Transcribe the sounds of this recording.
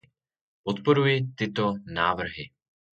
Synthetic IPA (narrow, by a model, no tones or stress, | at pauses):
pot̪po̞ɾujɪt̪ɪt̪o̞naːvr̩ɦɪ